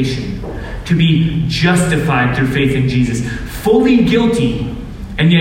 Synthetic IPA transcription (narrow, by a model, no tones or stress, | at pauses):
ɪʃɨ̃n | tʰɨbid͡ʒʌstɨfaɪd̪̚θɹʉfeɪθɨ̃nd͡ʒizɨs | fʊlˠiɡɪlˠtʰi | ɨ̃njɛ